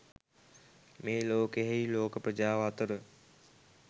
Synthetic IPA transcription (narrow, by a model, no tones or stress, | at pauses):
meːloːkeɦiːloːkpəd͡ʑaːʋaːt̪əɾ